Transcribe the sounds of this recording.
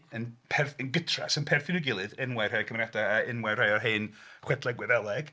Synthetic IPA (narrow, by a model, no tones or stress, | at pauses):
ənpʰɛrθənɡətʰra̰sənpʰɛrθɪnɪɡɪlˠɨðɪnwar̥hajkʰəmrɛdaːɪnwɛr̥hajɔɦeɨnχwɛdlˠɛɡwɛðɛlˠɛɡ̥